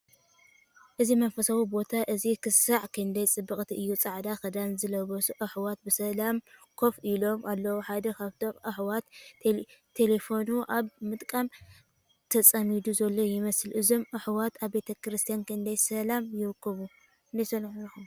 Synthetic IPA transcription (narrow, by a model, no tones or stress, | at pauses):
ʔɨzimɐnfɐsawubo̞t̪ʰaʔɨzikʰɨsaʕkʰɨnd̪ɐjt͡sʼɨbːɨkʼt̪ʰiʔɨjːut͡sʼaʕd̪axɨd̪anzɨlɐβɐsuʔɨħwat̪̚bɨsɐlamkʰo̞fʔilo̞malːɐwoħad̪ɐkʰaβt̪ʰo̞mʔɨħwat̪ʰː | e̞le̞fo̞nuʔaβmɨt̪ʼkʼam | t̪ʰɐt͡sʼɐmid̪uzɐlːo̞jɪmɐsɨlʔɨzo̞mʔɨħwat̪aβːe̞t̪ʰɐkɾɨst̪ʰijankɨnd̪ɐjsɐlamjɪɾkːɐβu | nd̪ɐjsɐnħujixum